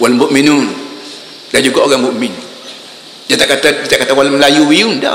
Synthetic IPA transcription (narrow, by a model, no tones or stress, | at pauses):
walmboʔminun | dand͡ʒuɡaʔoɣaŋbuʔmin | d͡ʒat̪aʔkat̪adit̪aʔkat̪awalməlajuwiunda̰